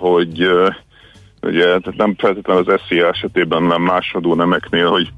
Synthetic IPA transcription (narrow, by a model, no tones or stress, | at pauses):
ho̞ɟ | ṵɟɛt̪æt̪nɛmfɛlt̪eːt̪lɛnɒzɛseːaɛʃɛt̪eːbɛnnɛmːaːʃod̪oːnɛmɛkneːlho̞ɟ